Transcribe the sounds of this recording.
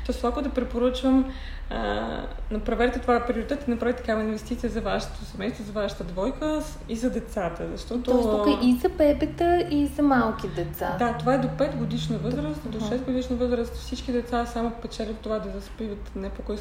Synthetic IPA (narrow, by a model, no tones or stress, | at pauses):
t̪ɔjst̪oakod̪ɐpɾɛpoɾət͡ʃvəm | ə̰nɐpɾɐvɛɾt̪ɛt̪ovapɾioɾit̪ɛt̪inɐpɾavit̪ɐkavinvɛst̪it̪sijəzɐvaʃə̥t̪o̥sɛmɛjst̪vozɐvaʃə̥t̪əd̪vɔjkə | izɐd̪ɛt̪sat̪əzɐʃt̪ɔt̪ookəizɐpɛbɛt̪əizɐmalˠkid̪ɛt̪sa̰d̪at̪ovaɛd̪opɛt̪ɡod̪iʃnəvɤzɾəst̪d̪oʃɛsɡod̪iʃnəvɤzɾəst̪ofsit͡ʃk̟id̪ɛt̪sasamopɛt͡ʃɛlɛt̪ːovad̪ɐspivət̪nɛpokɔj